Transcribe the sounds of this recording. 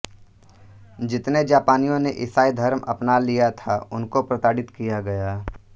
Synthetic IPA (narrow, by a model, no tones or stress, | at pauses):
d͡ʒɪt̪ned͡ʒaːpaːnijõneʔɪsaːid̪ʱɐɾmɐ̰pnalijat̪ʰaʊnkopɾɐt̪aːɽɪt̪kijaɡɐjaː